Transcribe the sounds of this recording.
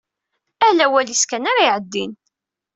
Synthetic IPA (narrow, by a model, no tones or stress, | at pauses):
ælæwæliskænaɾaiʕəd̪ːin